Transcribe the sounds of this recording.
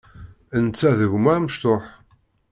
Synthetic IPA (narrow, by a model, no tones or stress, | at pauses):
ənt͡sːæðəʝmaməʃt̪oħ